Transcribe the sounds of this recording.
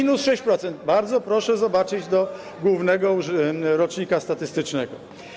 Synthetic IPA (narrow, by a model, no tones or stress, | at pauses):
inusʂɛɕt͡ɕpɾɔt̪sɛnt̪baɾd̪zɔpɾɔʂɛzɔbat͡ʂɘd͡ʑd̪ɔ | ɡwuvnɛɡɔɾɔt͡ʂɲikast̪at̪ɘst̪ɘt͡ʂnɛɡɔ̰